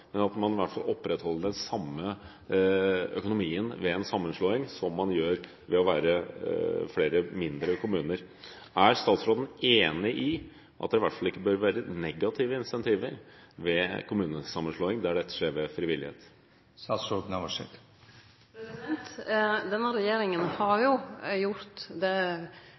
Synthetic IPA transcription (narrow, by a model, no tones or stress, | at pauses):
mɛnɑt̪mɑnɪʋæʈfɑlɔpːɾɛt̪hɔlːəɖɛnsɑmːə | œ̰kʊnʊmiːənʋɛɛnsɑmːənʂɭoːɪŋsɔmːɑnjøːɾ | ʋɛɔʋæːɾə | fleːɾəmɪnd̪ɾəkʰʊmʉːnəɾ | æɾst̪ɑːt̪sɾoːd̪n̩eːnɪʔɪ | ʔɑ̰t̪̚d̪ɛɪʋæʈfɑlɪkːəbøɾʋæːɾənɛɡɑt̪ʰiːʋəɪnsɛnt̪ʰiːʋəɾʋɛkʰʊmʉːnəsɑmːənʂɭoːɪŋd̪æɖɛt̪ːə̥ʂeːɾʋɛfɾɪʋɪlːɪ̰hḛːt̪ | st̪ɑːt̪sɾod̪n̩ɑʋɑʂɛ̰t̪ | nt̪d̪ɛnːəɾɛjeːɾɪŋənhɑɾjʊjʊɾt̪d̪ɛ